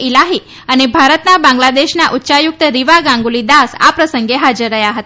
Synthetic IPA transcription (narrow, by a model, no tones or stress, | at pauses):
ilaɦiː | ənebʱaɾət̪nabãŋɡlad̪eɕnaʔutːɕajuk̚t̪əɾiʋaɡãŋɡulid̪asa̰pɾəsəŋɡeɦad͡ʒəɾːəɦjaɦət̪a